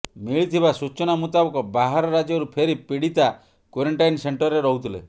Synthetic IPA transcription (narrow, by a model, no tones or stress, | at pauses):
miɭit̪ʰibasut͡ʃɔnamut̪abɔkɔbaɦaɾɔɾad͡ʒɔɾupʰeɾipiɽit̪a | kwoɾeɳʈajnseɳʈɔɾːeɾɔɦut̪ʰilḛ